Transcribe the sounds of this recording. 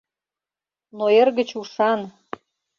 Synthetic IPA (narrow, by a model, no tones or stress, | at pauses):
noerɣə̆t͡ɕuʃɑn